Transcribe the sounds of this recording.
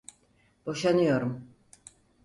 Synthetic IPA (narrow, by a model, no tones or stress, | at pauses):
b̥o̞ʃanɯjo̞ɾum